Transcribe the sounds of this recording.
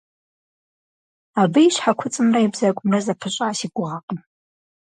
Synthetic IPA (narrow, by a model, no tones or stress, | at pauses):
abɨiʃħakʷʰʊt͡sʼɨmraibzakʷʼʊmrazapʰɨɕʷʼaʕasiɡʷʊʁaqʼəm